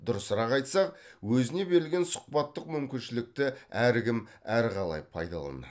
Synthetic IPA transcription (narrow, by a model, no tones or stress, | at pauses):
d̪̥ʊɾəsɾɑqɑjt̪sɑqwɵzɪne̞be̞ɾɪlɡʲe̞nsʊ̥q̚pɑt̪ːəqmʏmkʲɪnʃɪlɪk̚t̪ɪæɾɡʲɪmæɾqɑlˠɑ̰jpʰɑ̰jd̪ɑ̰lˠɑ̰nə̰